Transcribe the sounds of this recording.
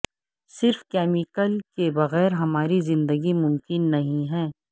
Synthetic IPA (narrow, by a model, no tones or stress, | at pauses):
sɪɾfkɛːmɪkəlkebɐɣɛːɾɦɐmaːɾizɪ̃nd̪əɡimʊ̃mkɪnːɐɦĩɦɛː